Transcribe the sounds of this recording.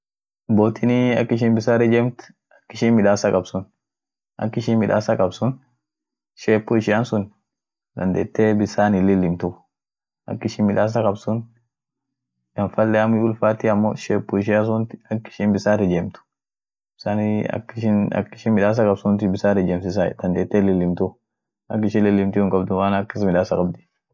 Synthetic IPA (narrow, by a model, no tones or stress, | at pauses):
boːt̪ɪniɐ̰kːɪʃ̬ɪnbɪsaːɾɛd͡ʒɛmt̪ | ɐ̥kːɪʃɪnmɪᶑaːsɐkʼɐbsʊn | ʔɐ̰kːɪʃɪnmɪᶑaːsɐkʼɐbsʊn | ʃeːpːʊɪʃɪansʊn | d̪ɐnd̪eːt̪ːeːbɪsaːnɪlːɪlːɪmt̪ʊ | ʔɐ̰kːɪʃɪnmɪᶑaːs̬ɐkʼɐbsʊn | jɐnfɐlːɛɐmʊʊlfaːt̪ɪɐmːo̰ʃeːpːʊɪʃ̬ɪjas̬ʊnt̪ɪ̥ɐkːɪ̥ʃɪnbɪsaːɾɛd͡ʒeːmt̪ʊ̥ | b̥ɪsaːnɐ̰kːɪʃɪnɐ̰kːɪʃɪnmɪᶑaːs̬ɐkʼɐbsʊnt̪ɪbɪsaːɾɛd͡ʒeːmsɪs̬a̰d̪̥ɐnd̪eːt̪ːelɪlːɪmt̪ʊ | ʔɐkːɪʃɪnlɪlːɪmt̪ɪhʊŋkʼɐbd̪ʊmaːnɐkːɪsmɪᶑaːsɐkʼɐbd̪ɪ̥